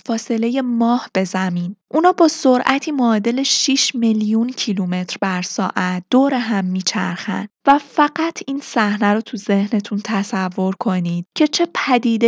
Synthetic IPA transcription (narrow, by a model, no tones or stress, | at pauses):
fɒːse̞le̞je̞mɒːhb̥e̞zæmiːnʔunɒːbɒːsoɾʔæt̪ʰiːmoːd̪e̞le̞ʃiʃmeljuncʰilume̞t̪ʰɾbæɾsɒːʔæt̪̚d̪̥oːɾeɦæmːiːt͡ʃʰæ̰ɾxæ̰nd̪̥væfæɢæt̪ʰiːnsæhnæɾot̪ʰuze̞hne̞t̪ʰunt̪ʰæsævːo̞ɾkʰo̞nid̪̥cʰe̞t͡ʃʰe̞pʰæd̪iːd̪e